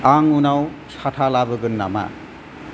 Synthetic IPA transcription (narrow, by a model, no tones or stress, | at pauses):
aŋunawt͡sʰaʈʰalabɯɡɯnːa̰ma̰